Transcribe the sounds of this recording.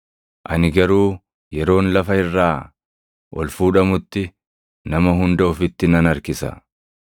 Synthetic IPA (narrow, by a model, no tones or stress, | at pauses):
ʔɐnɪɡɐɾuː | jɛɾo̞ːnlɐfɐhɪrːaː | ʔɔlfuːᶑɐmʊt̪ːɪ | nɐmɐɦʊnd̪ɐʊfɪt̪ːɪnɐnɐɾkɪsɐ̰